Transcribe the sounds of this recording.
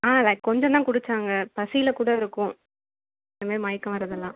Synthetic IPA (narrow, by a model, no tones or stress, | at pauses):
aːlɐɪkkːɔɲd͡ʒɐ̃nt̪ãːkʊɽɯt͡ʃːaːŋɡɐpɐsɪjɪlɐkuːɽɐɪɾɯkːʊ̃ | ɪnɐmaːɾimaːjɪkːɐ̃ʋɐɾɐðɐlːãː